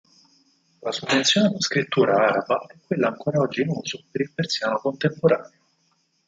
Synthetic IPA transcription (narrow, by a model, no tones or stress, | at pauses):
lasuvent̪sjoːned̪uskɾit̪ːuːɾaaːɾabaɛkːwelːaːŋkoːɾaɔd͡ʒːinuːsopeɾilpersjaːnokont̪empoɾaːneo